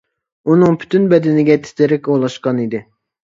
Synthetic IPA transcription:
unɨŋpʰy̥t̪ʰynbɛd̪ɪnɪɡʲɛt̪ʰɪ̥t̪ʰɪɾɪkʲolˠɑʃqɑnid̪ɪ

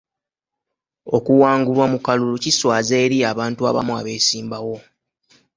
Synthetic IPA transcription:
o̞kuwaːŋɡulwamukaluluciswaːzeːɾiaβaːntua̰βa̰mua̰βe̞ːsiːmbawo̞

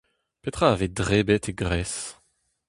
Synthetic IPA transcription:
pet̪χaːved̪ʁebɛt̪ʰeɡʁɛs

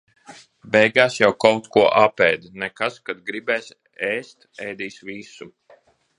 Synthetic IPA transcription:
bʲɛjɡaːsjawkawt̪kuɔʔapɛːd̪nɛkaskad̪̚ɡɾibɛːs | ɛːst̪ɛjd̪iːsvisu

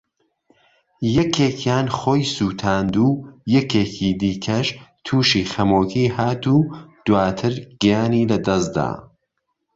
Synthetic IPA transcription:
jɛkʰeːkʰjaːnxoːjsuːt̪ʰaːnd̪uːjɛkeːcʰiːd̪iːkʰɐʃt̪ʰuːʃiːxɐmoːkʰiːhaːt̪uːd̪̥waːt̪ʰɨɾɡijaːniːlɐd̪ɐsd̪a̰ː

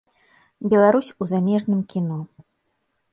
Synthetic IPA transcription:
bʲɛlˠaɾusʲuzamʲɛʐnɨmkʲinɔ

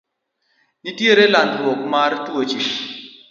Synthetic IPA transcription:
itjeɾelandɾwɔk̚martwot͡ʃi

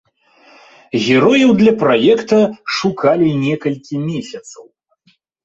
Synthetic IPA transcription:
ɣʲɛɾɔjɐwd̪lʲɐpɾajɛkt̪ɐʂukalʲinʲɛkɐlʲkʲimʲesʲɐt̪sɐw

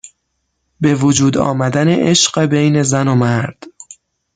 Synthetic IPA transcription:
be̞vod͡ʒuːd̪ɒ̰ːmæd̪æneʔeʃɢebejne̞zæno̞mæɾd̪̥

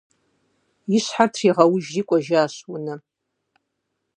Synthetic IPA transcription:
iʃħatʰriʁawʊʒrikʷʼaʒaːʃwʊnɨ

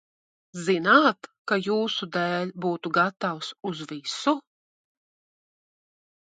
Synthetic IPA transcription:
zinaːt̪kajuːsud̪ɛːlʲbuːt̪uɡat̪awsuzvisu

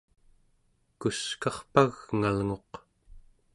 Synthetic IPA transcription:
kuskɑχpaɣŋalŋo̞q

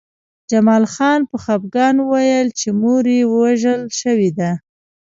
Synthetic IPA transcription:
d͡ʒamɑlxɑnpəxab̚ɡɑnəwajəlt͡ʃemoɾewəwaʒəlʃəwed̪a

